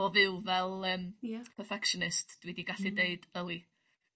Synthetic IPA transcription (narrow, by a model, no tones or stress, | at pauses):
ɔvɨwvɛlˠəːmpʰərfɛkʃɔnɪstd̥widiɡaɬideɨdəlˠi